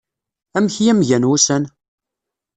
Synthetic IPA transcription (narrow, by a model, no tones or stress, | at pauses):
æmçjæmʝænwusæn